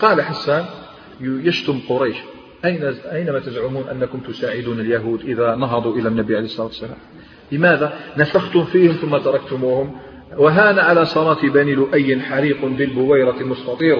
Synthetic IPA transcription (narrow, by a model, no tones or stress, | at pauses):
qɑːlaħasːæn | jəʃt̪ʊmqʊɾˤɑjʃ | ʔæjnʔæjnæmæt̪əzʕʊmuːnʔæ̰nːakʊmt̪ʊsaʕɪd̪uːnəljaɦuːd̪ʔəðænɑɦɑd̪ˤuʔəlænːæbiʕalejhəsˤɑlˤɑːt̪wsːælæ̰m | ləmæd̪anæfaxt̪ʊmfihʊmθʊmːat̪ɑɾˤɑk̚t̪ʊmuːhʊm | waɦæːnaʕalasˤɑɾˤɑːt̪ibænilʊʔæjːənħaɾiːqnbəlbʊwæjɾɑlmʊst̪ɑt̪ˤiːɾ